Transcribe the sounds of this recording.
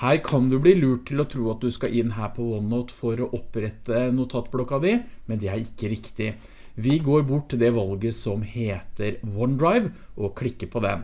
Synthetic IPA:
hæːɾkʰɑnd̪ʉbliːlʉːʈ̚tʰɪlɔt̪ʰɾuːɑt̪̚d̪ʉskɑʔɪnːɦæːɾpʰɔʋɔnɔt̪fɔɾɔʔɔpɾɛt̪ːənuːt̪ʰɑt̪ːblɔkːɑd̪ɪmɛnd̪ɛæɾɪkːəɾɪkt̪ɪ | ʋɪɡoːɾbʊʈːɪd̪ɛʋɑlɡəsɔmheːt̪əɾwɔnd̪ɾaɪʋʔɔkʰɽɪkːəpʰɔd̪ɛ̰

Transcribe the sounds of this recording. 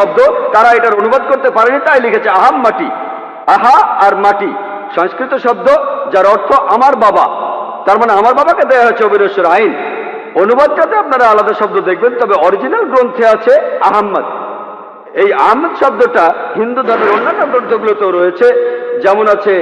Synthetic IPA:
ɔb̚d̪ot̪aɾaeʈaɾonubad̪̚koɾt̪epaɾenit̪ajlikʰet͡ɕʰeaɦamːaʈi | aɦaːɾmaʈi | ʃɔŋskɾit̪oʃɔb̚d̪ʱod͡ʑaɾɔɾt̪ʰoʔamaɾbaba̰t̪aɾmaneamaɾbabaked̪eaɦet͡ɕʰeobʱineʃoɾain | onubad̪̚tat̪eapnaɾaalad̪aʃɔb̚d̪od̪ekʰbent̪ɔbeɔɾid͡ʑinalɡɾont̪ʰeat͡ɕʰeaɦamːa̰t̪̚ | eja̰ɦamːad̪ʃɔb̚d̪oʈaɦind̪ud̪ʱɔɾneɾonːat̪od̪ɾod̪ʱːoɡulot̪eɾɔjet͡ɕʰed͡ʑɛmonat͡ɕʰe

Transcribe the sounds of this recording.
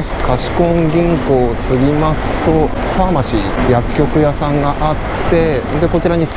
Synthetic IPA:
kaɕi̥kõ̞ŋɡʲĩŋko̞ːsɨɡʲimasɨ̥t̪o̞ | ɸamaɕijakʲːo̞kɯ̟jasãŋɡaʔat̪ːẽ̞nd̪eko̞t͡ɕiɾaɲ̟is

